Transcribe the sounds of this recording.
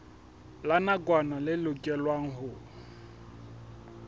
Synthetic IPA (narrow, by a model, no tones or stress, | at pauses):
lanakʼwanalɪlʊkʼɛlwaŋ̩ɦʊ